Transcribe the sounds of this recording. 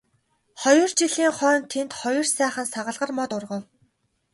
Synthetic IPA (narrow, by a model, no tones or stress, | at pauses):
χɔjɞ̆rt͡ɕiɮiːŋχœːnt̪ʰent̪χɔjɞ̆rsæːχə̆nsaʁə̆ɮʁə̆rmɔt̪ʊrʁə̆w